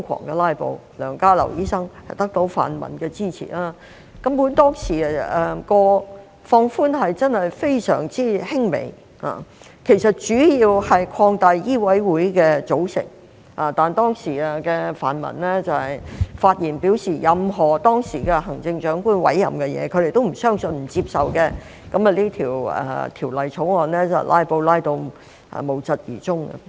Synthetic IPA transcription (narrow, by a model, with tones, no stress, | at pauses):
ŋkʰɔ̰ː˨˩ŋkɛ˧laː˥jpo̰˨˧w | lœː˨˩ŋkaː˥lɐ̰˨˩wjiː˥sɐ˥ŋhɐ˨jt̪ɐ˥k̚t̪o˨˥wfa̰ː˨˩nmɐ̰˨˩nkɛː˧t͡siː˥t͡sʰḭː˨˩laː˥ | kɐ˦˥mpuː˨˥nt̪ɔː˥ŋsiː˨˩˨ɛ˨kɔː˧ | fɔː˧ŋfuː˥nɦɐ˨jt͡sɐ˥nhɐ˨jfe˥jsœ̰ː˨˩ŋt͡siː˥hɪ˥ŋmḛ˨˩j | a̰ː˨˩ | kʰe˨˩jsɐ˨t̚t͡ʃyː˨˥jiː˧whɐ˨jkʰɔː˧ŋt̪a˨˧jjiː˥wɐ˨˥jwuː˨˥jkɛː˧t͡so˨˥wsɪ̰˨˩ŋ | aː˨t̪aː˨nt̪ɔː˥ŋsiː˨˩ɐ˧kɛː˧fa̰ː˨˩nmɐ̰˨˩nlɛː˥t͡sɐ˨whɐ˨˩jfaː˧t̚jiː˨˩npiː˨˥wsiː˨˩jɐ˨mɦɔː˨˩t̪ɔː˥ŋsiː˨˩kɛ˧ɦɐ˨˩ŋt͡sɪ˧ŋt͡ʃœː˨˥ŋkuː˥nwɐ̰˨˥jːɐ̰˨mkɛ˧jɛ̰ː˨˧kʰɵ˨˧d̪e˨jt̪o˥wm̩˨˩sœː˥ŋsɵ˧nm̩˨˩t͡si˧p̚sɐ˨wkɛ˧ | kɐ˨˥mɐ˨˧liː˥t̪ʰiː˨˩wɐ̰ː˧t̪ʰiː˨˩wlɐ˨jt͡sʰo˨˥wŋɔː˨nlɛː˥t͡sɐ̰˨˩wlʔa̰ː˥jpo˧wlaː˥jt̪o˧w | ɐ̰˨˩mo˨˩wt͡sɐ˨t̚jḭː˨˩t͡sʊ˥ŋɐ̰˧